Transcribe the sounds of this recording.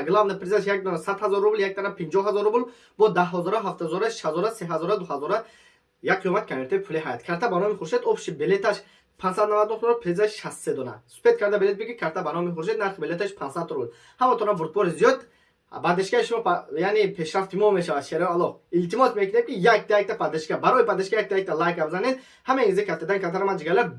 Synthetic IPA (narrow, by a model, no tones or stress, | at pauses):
ɡlavnapʰɾezaʃjak̚d̪ɔnasad̪hazɔɾːubljak̚t̪ʰanapʰind͡ʒɔhɦːazɔɾːubl | bɔd̪aɦɔzɔɾaɦaft̪azɔɾaʃhazɔɾaseɦazɔɾad̪uhazɔɾa | jaɡqʰijɔmat̪̚kʰameɾt̪ʰojipʰuliɦajt̪kʰaɾt̪ʰabanɔmiχuɾʃed̪ɔfʃibelet̪ʰaʃ | pʰansad̪navad̪nuht̪ɔɾɔpʰɾezaʃʃast̪sed̪ɔna̰su̥pet̪̚kʰaɾd̪abelet̪bikikʰaɾt̪ʰabanɔmiχuɾʃ̬ed̪naɾχibelet̪aʃpʰansad̪ʰɔɾbud̪ | hamat̪ʰɔɾavuɾt̪̚bɔɾizijɔd̪ | bad̪eʃkaiʃumɔjanepʰe̞ʃɾaft̪ʰimɔme̞ʃavad̪ʃeɾaalɔχilt̪imɔsmekʰinemkʲijak̚d̪aik̚t̪ʰapʰad̪eʃkabaɾɔjipʰad̪eʃkajak̚d̪aik̚t̪ʰalajkabzaned̪ | hameizekʰaft̪ed̪ankʰaɾt̪ʰaɾamad͡ʒiɡala